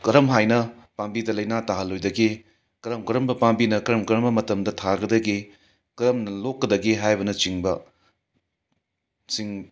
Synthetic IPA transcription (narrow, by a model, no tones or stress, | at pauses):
kɐɾɐmɦajnɐpambidɐlɐjnataɦɐlːojdɐɡi | kɐɾɐmkɐɾɐmbɐpambinɐkɐɾɐmkɐɾɐmbɐmɐtɐmdɐtʰaɡɐdɐɡi | kɐɾɐmnɐlokːɐdɐɡiɦajbɐnɐt͡ʃiŋbɐ | siŋ